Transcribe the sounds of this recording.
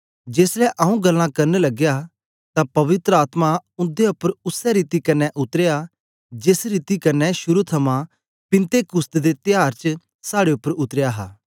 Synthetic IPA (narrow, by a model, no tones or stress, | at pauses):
d͡ʒeːslɛʔɐũɡɐlːãkɐɾnelɐɡja | t̪apɐʋɪt̪ɾəaːt̪mãʊ̃nd̪eʊpːəɾʊsɛɾiːt̪ikɐnːɛʔʊt̪əɾeja | d͡ʒɪsɾiːt̪ikɐɾnːɛʃʊɾut̪ʰɐmã | pɪ̃nt̪ekʊst̪d̪et̪ɪjaːɾt͡ʃə | saːɽeʊpːəɾʊt̪ɾɪjaɦa̰ː